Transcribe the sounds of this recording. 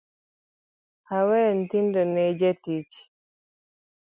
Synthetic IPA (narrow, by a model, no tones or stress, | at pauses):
hawɛːntindɔnɛd͡ʒetiːt͡ʃi̥